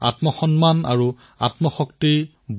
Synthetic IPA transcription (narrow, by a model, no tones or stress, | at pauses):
a̰tmɔxɔnmana̰ɹu | a̰tmɔxɔkti | b